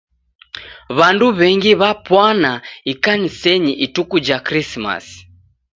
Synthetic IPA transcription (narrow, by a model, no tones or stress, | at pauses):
βanduβɛŋɡiβapwanaikanisɛɲiʔitukud͡ʒakɾisma̰s